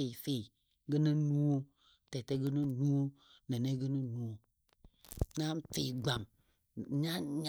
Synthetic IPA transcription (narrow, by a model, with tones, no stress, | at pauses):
e˨fe˨ | ɡə˦nə˦nu˦o˦ | tɛ˨tɛ˦ɡə˦nə˦nu˦o˦ | nɛ˨ne˦ɡə˦nə˦nu˦o˦ | na˦mfi˨ɡ͡ba˨m | ɲa˦ɲ˦